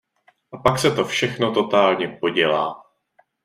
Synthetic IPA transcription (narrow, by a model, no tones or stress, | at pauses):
ʔapaksɛt̪o̞fʃɛxno̞t̪o̞t̪aːlɲɛpo̞ɟɛlaː